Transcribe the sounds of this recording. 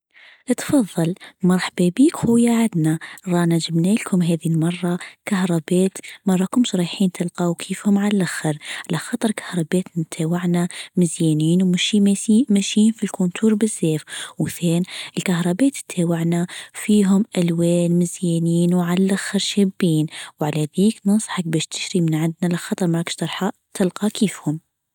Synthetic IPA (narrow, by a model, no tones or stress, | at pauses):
ʔt̪fɑðˤːɑlmɑɾˤħbebiːkxujaʕad̪naɾˤɑːnad͡ʒɪbneːlkʰʊmɦɛːðilmɑrˤːɑkahɾˤɑbɛːt̪mɑrˤːɑkʊmsˤɾˤiħiːnt̪ʰɪlqɑwkʰiːfhʊmʕallʔaxəɾʕalaxɑːt̪ˤɨɾˤkʰḁhɾˤɑbɛːt̪nt̪ʰeːwaʕnamɪzjeːniːnwmɪʃiːmesiːmaʃiːnfilkunt̪ʰuːɾˤbɪzːeːfwθeːnɪlkahɾˤɑbeːt̪t̪ʰːeːwaʕnafiːɦʊmʔalweːlmɪzjeːniːnwʕalalʔaxɪɾʃeːbːiːnwʕalaðiːknɑsˤħak̚bɛːʃt̪ɪ̥ʃɾimɪnʕɪnd̪nalɪxɑt̪ˤɑɾˤmɑɾˤɑkʃt̪ɑɾˤħɑʔ | t̪ʰɪlqɑkʰiːfhʊm